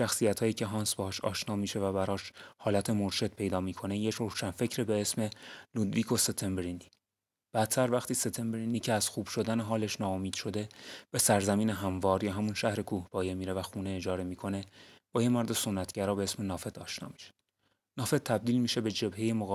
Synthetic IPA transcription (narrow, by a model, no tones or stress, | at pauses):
ʃæxsijæt̪hɒːjiːcʰe̞ɦɒːnsbehɒːʃɒ̰ːʃnɒːmiːʃe̞væbæɾɒːʃhɒːlæt̪ʰe̞moɾʃed̪̥̚pʰe̞jd̪ɒːmiːkʰo̞nejecɾoʃænfe̞cʰɾibeesme̞lud̪viːkʰo̞se̞t̪ʰe̞mbeɾind̪i | b̥æt̪t̪ʰæɾvæxt̪ʰiːset̪ʰe̞mbeɾinːiːcʰeæz̥xuːb̥ʃo̞d̪æneɦɒːleʃnɒːomiːd̪̥ʃo̞d̪e̞b̥e̞sæɾzæmiːneɦæmvɒːɾjɒːɦæmunʃæhɾe̞kʰuːhb̥ɒːjemiːɾevæxuːneːd͡ʒɒːɾe̞miːkʰo̞ne̞b̥ɒːjemoɾd̪eso̞nːæt̪ʰɟæɾɒːbeesme̞nɒːfe̞t̪ʰɒːʃnɒ̰ːmiʃe̥ | nɒːfe̞t̪ːʰæb̚d̪iːlmiːʃe̞be̞d͡ʒe̞bhe̞je̞moɣɒ